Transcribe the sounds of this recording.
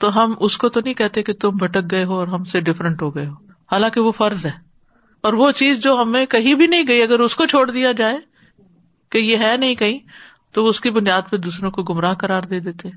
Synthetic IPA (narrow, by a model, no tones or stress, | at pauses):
t̪oɦɐmʔʊskot̪onɐɦĩkɛɦt̪eket̪ʊmbʱɐʈək̚ɡɐeɦoɔːɾɦɐmseɖɪfɾə̃ɳʈɦoɡɐeɦoː | haːlãːkeʋofɐɾzɦɛː | ɔːɾʋot͡ʃiːzd͡ʒoːɦɐmẽkɐɦĩbʱinɐɦĩɡɐiɐɡəɾʊskot͡ʃʰoːɽd̪ijad͡ʒaːe | kejeɦɛːnɐɦĩkɐɦĩ | t̪oʋoʊskibʊnijaːd̪̚ped̪uːsɾõkoɡʊmɾaːɦkɐɾaːɾd̪eːd̪eːt̪eɦɛ̃ː